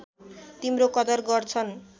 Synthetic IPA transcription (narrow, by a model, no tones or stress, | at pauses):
t̪imɾokɔd̪ɔɾɡɔɾt͡ɕʰɔn